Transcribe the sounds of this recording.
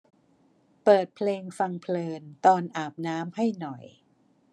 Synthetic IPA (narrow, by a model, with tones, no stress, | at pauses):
pɤː˨˩t̪̚pʰleː˧ŋfa˧ŋpʰlɤː˧nt̪ɔː˧nʔaː˨˩p̚naː˦˥mha˥˩jnɔ˨˩j